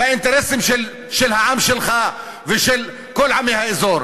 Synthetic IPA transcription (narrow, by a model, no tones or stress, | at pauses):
aʔɪnt̪aɾɛsɪmʃɪl | ʃɪlhaʕamʃɪlxa | vɪʃɪl | kʊlːʕamɪhaʔɪzoːɾ